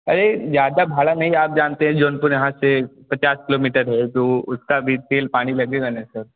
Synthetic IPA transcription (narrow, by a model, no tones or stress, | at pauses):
ɐɾezjaːd̪abʱaːlanɐɦiaːp̚d͡ʒaːnt̪eɦɛ̃d͡ʒoːnpʊɾjɐɦãsepɐt͡ʃaːskɪloːmiːʈəɾɦɛt̪oʊskabʱit̪eːlpaːɽ̃ilɐɡeɡanɛsəɾ